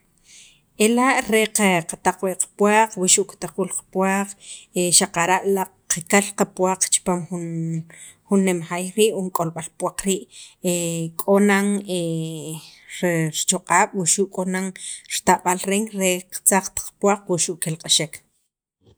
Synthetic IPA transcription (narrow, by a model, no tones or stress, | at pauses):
elaʔɾeqaqat̪aq͡χweʔqḁpwaːq͡χwiʃuʔkt̪aq͡χulqḁpwaːq͡χeʃaqaɾaʔla | qakalqapwaːq͡χt͡ʃi̥paːmχun | xunːemxajɾiːʔwuŋkʼolɓalpwaq͡χɾiːʔekʼonaŋe | ɾɾt͡ʃoqʼaːɓ̥wiʃuːʔkʼonaŋɾt̪aɓalɾeŋɾeqḁt͡saq͡χt̪ḁq͡χpwaːq͡χwiʃuʔkelqʼaʃek